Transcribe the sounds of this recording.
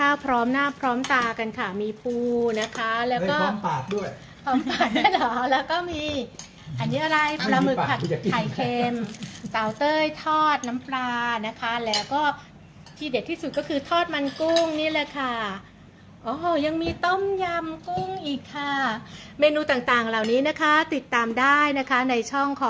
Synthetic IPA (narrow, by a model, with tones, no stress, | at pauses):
kʰaː˥˩wpʰɾɔː˦˥mnaː˥˩pʰɾɔː˦˥mt̪aː˧ka˧nkʰa˥˩miː˧puː˧na˦˥kʰa˦˥lɛː˦˥wkɔː˥˩˦paː˨˩t̪̚du˥˩əj | pʰɔː˨˦˥mpaː˨˩t̪̚u˥˩˨jlɔ˨˦lɛː˦˥wkɔː˥˩miː˧ | ʔa˧nːiː˦˥ʔa˧ɾa˧jpɾa˧mɯ˨˩˨a˨˩˨a˨˩jkʰe˧mt̪a˨˩wt̪ɤː˥˩jt̪ʰɔː˥˩t̪̚na˦˥mplaː˧na˦˥kʰa˦˥lɛː˦˥wkɔː˥˩ | t̪ʰiː˥˩di˨˩t̪ʰiː˥˩su˨˩t̪̚kɔː˥˩kʰɯː˧t̪ʰɔː˥˩t̪̚ma˧nku˥˩ŋniː˥˩˨lɛ˧˩kʰa˧˩ | ʔɔː˧˩ja˧ŋmiː˧t̪o˥˩mja˧mku˥˩ŋʔiː˨˩kʰːa˧˩meː˧nuː˧t̪aː˨˩ŋt̪aː˨˩ŋla˨˩wniː˦˥na˦˥kʰa˦˥t̪i˨˩t̪ːaː˧mdaː˥˩jna˦˥kʰa˦˥na˧jt͡ɕʰɔ˥˩ŋkʰɔː˨˦ŋ